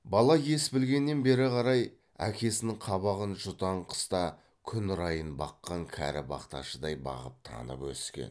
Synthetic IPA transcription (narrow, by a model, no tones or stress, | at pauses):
bɑlˠɑje̞sbɪlɡʲe̞nːe̞nbe̞ɾɪqʰɑɾɑj | æ̰kʲe̞sɪnɪŋqʰɑβɑʁənʒʊt̪ɑɴqʰə̥st̪ɑ | kʲʰʏnɾɑjənbɑqːɑŋkʲʰæ̰ɾɪbɑ̰qt̪ɑ̰ʃəd̪ɑjbɑ̰ʁəp̚t̪ʰɑ̰nə̰pwɵ̰skʲe̞̰n